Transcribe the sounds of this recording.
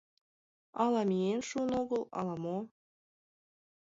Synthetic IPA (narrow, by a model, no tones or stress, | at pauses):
ɑlɑmʲienʃunoɣə̆lˠɑ̰lˠɑmo